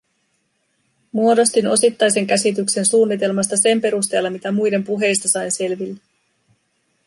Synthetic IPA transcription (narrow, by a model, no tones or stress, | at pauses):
muo̞do̞st̪ino̞sit̪ːɑjs̬e̞ŋk̟æsit̪ykse̞nsuːnːit̪e̞lmɑst̪ɑse̞mpe̞ɾust̪e̞ːlːɑmit̪æmujde̞mpuɦe̞jst̪ɑsɑjnse̞lʋilːæ